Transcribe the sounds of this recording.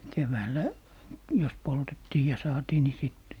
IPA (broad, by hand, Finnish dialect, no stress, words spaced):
keʋæːlːæ jos poltetːiː jɑ sɑːtiː ni sit